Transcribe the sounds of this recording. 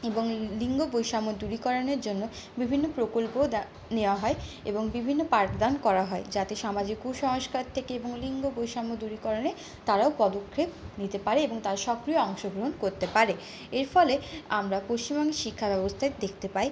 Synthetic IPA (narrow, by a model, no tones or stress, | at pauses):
eboŋliŋɡobojʃamod̪uɾikɔɾoneɾd͡ʑonːo | bibʱinːopɾokolpo | neoaɦɔeḛboŋbibʱinːopaɾt̪d̪ankɔɾaɦɔed͡ʑat̪eʃamad͡ʑikuʃɔɦoʃkaɾt̪ʰekeeboŋliŋɡobojʃamod̪uɾikɔɾone | t̪aɾaopɔd̪okʰːep̚nit̪epaɾeeboŋt̪aɾʃɔkɾijoɔŋʃoɡɾoɦonkoɾt̪epaɾe | eɾfɔleamɾapoʃt͡ɕimɔŋɡeʃikʰːabɛbost̪ʰaed̪ekʰt̪epaj